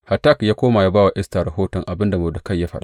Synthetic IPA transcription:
ha˨ta˦kjaː˦kʷoː˦ma˨ja˦baː˦wa˨ʔɪ˦staː˨ɾɐ˨ɦoː˦tɔ˨ŋʔa˨bɪ˦nda˨mɐ˨da˨ka˦˨jːaː˦ɸɐ˦ɗa̰˨

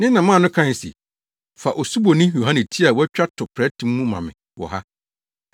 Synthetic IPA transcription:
nɪ̃˦nã˨mãː˦˨nʊ̃˦kʰã˦n˨sḭ˨ | fa˨ʔɔ˨su˦bo˨nĩ˦jo˨ɦã˦nɪ̃˨tʰi˦a˨wɔ˦t͡ɕᶣa˦tʰʊ˨pʰɾɛ˦tʰɪ̃˨mː˦ũ˦mã̰˨mɪ̰̃˨ | wɔ̰˨ɦa̰˦

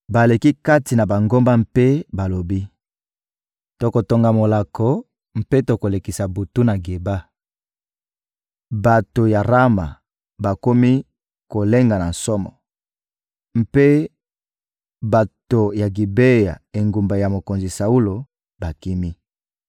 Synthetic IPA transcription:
ba˨le˨ki˦ka˦ti˨na˨ba˨ŋɡo˦mba˦m˦pe˦ba˨lo˨bi˦ | to˨ko˨to˨ŋɡa˨mo˨la˨kʰɔ˨ | m̩˦pe˦to˨ko˨le˨ki˨sa˨bu˨tu˦na˨ɡe˨ba˦ | ba˨to˨ja˨ʁa˦ma̰˨ | ba˨ko˦mi˦ | ko˨le˦ŋɡa˨na˨n̩˨sɔ˦mɔ̰˨ | m̩˦pe˦ | ba˨to˨ja˨ɡi˨be˦ja̰˨e˨ŋɡu˨mba˨ja˨mo˨ko˨nzi˨sa˨u˦lo˨ | ba˨ki˦mi˦

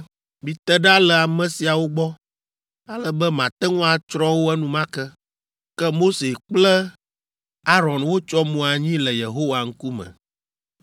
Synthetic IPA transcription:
mĩ˨t̪ɛ˦ɖa˦lɛ˨a˨mɛ̃˨si˨a˨wo˦ɡ͡bɔ˦ | a˨lə˦bɛ˦mã˨t̪ɛ˦ŋũ˦a˨t͡ʃɾɔ˦wo˦ɛ˦nũ˦mã˦kɛ˦ | kɛ˦mo˦se˨k͡plə˦ | a˦ɾɔ̃˨nwo˦t͡ʃɔ˦mũ˨a˨ɲĩ˦lə˨je˨ɦo˦wa˨ŋ̩˦ku˦mə̰̃˨

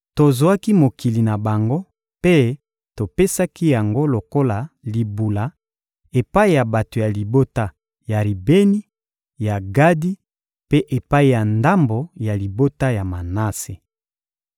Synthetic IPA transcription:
to˨zo˨wa˦ki˦mo˨ki˨li˨na˨ba˨ŋɡo˦ | pe˦ | to˨pe˦sa˦ki˦ja˨ŋɡo˦lo˨ko˦la˨li˨bu˨la˨˦ | e˨pa˦i˦ja˨ba˨to˨ja˨li˨bo˦ta˦ | ja˨li˨be˦ni˦ | ja˨ɡa˦di˦ | pe˦ʔe˨pa˦i˦ja˨nda˦mbo˨ja˨li˨bo˦ta˦ja˨ma˨na˦se˨

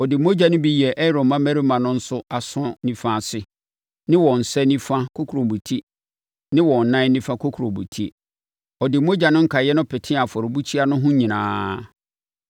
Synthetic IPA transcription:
ɔ˨dɪ˨mo˦d͡ʑa˨nʊ̃˦bi˦˨jɛ˨ʔɛ˦ɾõ˨mmã˦mæ˦ɾi˦mã˨nʊ̃˦n̩˦sʊ˦a˨sʊ̃˦nĩ˦fã˦˨sɪ˦ | nɪ̃˦wɔ̃˨n̩˨sɛ˦nĩ˦fã˦kʰo˦kʰu˨ɾõ˨mbu˨tʰi˦ | nɪ̃˦wɔ̃˨n˨nã˦nĩ˦fã˦kʰo˦kʰu˨ɾõ˨bṵ˨tʰi˦ | ɔ˨dɪ˨mo˦d͡ʑa˨nʊ̃˦ŋ̩˦kʰa˨jɛ˦nʊ̃˦pʰɪ˨tʰɪ̃˦a˨fɔ˨ɾɪ˨bu˦t͡ɕʰi˦a˦nʊ̃˦ɦʊ̃˦ɲĩ˨nãː˨˦

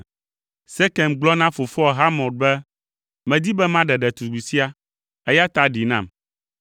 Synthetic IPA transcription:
sɛ˦kɛ˨mɡ͡blɔ˦nã˦fo˨fɔ˦˨ɦa˦mɔ̃˨d̚bɛ˦ | mɛ̃˨d̪i˦bɛ˦mã˦ɖɛ˨ɖɛ˨t̪u˨ɡ͡bu˨si˦a˦ | ɛ˦ja˦t̪a˦ɖi˨nã̰˦˨m

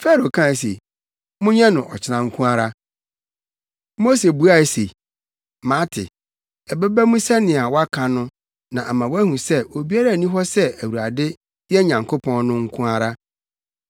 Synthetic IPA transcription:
fɛ˦ɾo˨kʰã˦˨s̬ḛ˨ | mʊ̃˦ɲɛ̃˦nʊ̃˨ʔɔ˨t͡ɕʰɪ˨nã˨ŋ̩˦kʰũ˦a˦ɾa˦ | mo˦se˨bu˦a˦˨sḛ˨ | mã˨˦tʰɪ̰˨ | ɛ˨bɛ˦bæ˦mũ˦sɛ˦nɪ̃˨a˨wɔ˦a˦kʰã˨nʊ̃˦ | nã˨ʔa˨mã˨wæ˦hũ˨sɛ˦ʔo˨bi˦a˦ɾa˦˨nĩ˦ɦɔ˦sɛ˦æ˨wu˨a˨dɪ˦ | jɛ˦ɲã˨ŋkʰo˦pʰɔ̃˦nnʊ̃˦ŋ̩˦kʰũ˦a˦˨ɾa˦

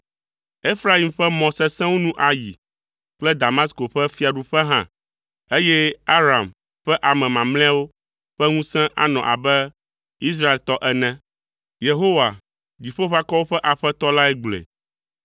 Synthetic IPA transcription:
e˦fɾa˦i˨mɸɛ˦mɔ̃˨sɛ˦sɛ̃˦wo˦nũ˦ʔa˨jḭ˨ | k͡plɛ˦d̪a˨mã˦sko˨ɸɛ˦fi˦a˨ɖu˨ɸɛ˦ɦã̰˦ | e˦jɛ˦a˦ɾa˨m | ɸɛ˦ʔa˨mɛ̃˨mã˨ml̃ɛ̃˦a˦wo˦ | ɸɛ˦ŋũ˦sɛ̃˦ʔa̰˦nɔ̰̃˨ʔa̰˨bɛ˦ | i˦s̬ɾa˦e˨lt̪ɔ˦ʔɛ˨nɛ̃˦ | je˨ɦo˦wa˨ | d͡ʑi˨ɸo˦ɸa˦kɔ˦wo˦ɸɛ˦ʔa˨ɸɛ˦t̪ɔ˦la˦ɛ˦ɡ͡blḛ˨

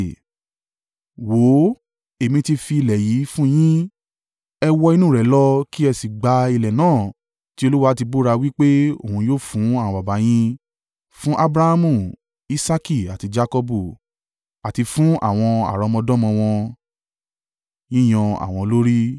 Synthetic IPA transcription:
wo˨˦ | e˨mĩ˧ti˧fi˧i˧lɛ˨ji˨˦fũ˦j̃ĩ˦ | ɛ˧wɔ˧i˧nũ˦˨ɾɛ˨lɔ˦ki˦ɛ˧si˨ɡ͡ba˧i˧lɛ˨nãː˦˨ | ti˦o˧lu˦wa˦˧˦ti˧bo˦ɾa˧wi˦k͡pe˦o̰˦˨hũ˧joː˦fũ˨˦ã˦˨ɔ̃˧ba˨ba˨˦j̃ĩ˦ | fũ˦ʔa˦bɾa˧ha˦mũ˨ | i˦sa˦ki˦˨a˨ti˨˧d͡ʒa˧kɔ˧bu˨ | a˨ti˧fũ˦ʔa̰˦˨w̃ɔ̃˧a̰˨ɾɔ˨˧mɔ̃˧dɔ̃˦mɔ̃˧w̃ɔ̃˧ | j̃ĩ˦j̃ɔ̃˧a̰˨w̃ɔ̃˧lo˦ɾi˦

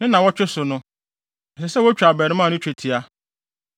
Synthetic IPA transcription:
nɪ̃˦nã˨wɔ˦t͡ɕᶣɪ˦sʊ˨nʊ̃˦ | ɛ˨sɛ˨sɛ˦wɔ˦t͡ɕᶣa˨bɛ˨ɾɪ̃˨˦mã˦˨nʊ̃˦t͡ɕᶣe˨tʰi˨a˦

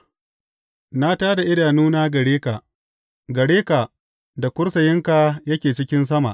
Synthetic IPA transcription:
na˦taː˦da˨ʔɪ˦daː˨nuː˦na˦ɡɐ˨ɽeː˦ka˨ | ɡɐ˨ɽeː˦ka˨ | da˨kʷʊ˦rsɐ˨jɪ˦ŋka˨jɐ˦kʲeː˨t͡ʃɪ˦kʲɪ˦ns̬ɐ˦ma̰˨ʔ

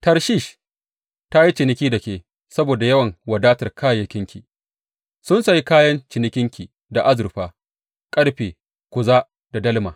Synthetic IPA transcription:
tɐ˨ɾʃiː˦˨ʃ | ta˦ji˦t͡ʃɪ˨nɪ˦kʲiː˦dɐ˨kʲeː˦˨ | sɐ˦boː˨da˨jɐ˦wɐ˨ŋwɐ˨daː˦tɐ˨rkaː˦jɐ˨kʲɪ˦ŋkʲi˨ | sʊ˦nsa˨ji˦kaː˦jɐ˦nt͡ʃɪ˨nɪ˦kʲɪ˦ŋkʲi˨ | da˨ʔa˦zʊ˨rɸaː˨ | kʼɐ˦ɽɸeː˨ | kʷʊ˨zaː˦ | d̥a˨dɐ˦lmaː˨

